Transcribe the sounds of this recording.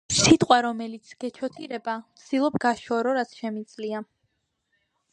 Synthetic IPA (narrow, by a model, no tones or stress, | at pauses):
sit̪ʼqʼwaɾɔmɛlit̪sʰɡ̥ɛt͡ʃʰɔt̪ʰiɾɛbamt̪sʰd̪ilˠɔpɡaʃɔɾɔɾat̪sʰʃɛmid̪zʼlia